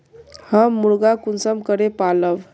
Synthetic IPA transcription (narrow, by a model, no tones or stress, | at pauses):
həmːuɭɡakunsəmkəɾepaləʋ